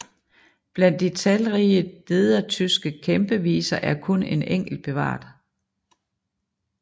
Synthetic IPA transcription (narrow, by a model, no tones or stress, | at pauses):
b̥læn̰d̥it͡sʰælʁiːəle̝ðˠɐt͡sʰysɡ̥əkʰemb̥əʋḭːsɐʔæɐkʰɔ̽ne̝neŋ̰ɡ̥l̩d̥̚b̥e̝ʋɑ̰̈ːd̥